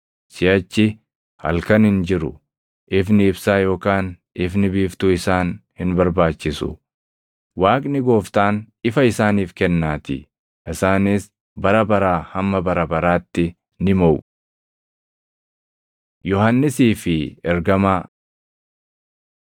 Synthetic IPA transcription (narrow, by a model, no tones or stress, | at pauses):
sɪɐt͡ʃːɪ | hɐ̰lkɐnhɪnd͡ʒɪɾʊ̰ | ʔɪfnɪɪbsaːjo̞ːkaːn | ɪfnɪbiːft̪ʊɪsaːnhɪnbɐɾbaːt͡ʃːɪsʊ̰ | waːkʼnɪɡo̞ːft̪aːn | ɪfɐɪsaːniːfkɛnːaːt̪ɪ̰ | ʔɪsaːnɪs | bɐɾɐbɐɾaːhɐmːɐbɐɾɐbɐɾaːt̪ːɪ | nɪmɐʔʊ | jɔhɐnːɪsiːfɪɛɾɡɐmaː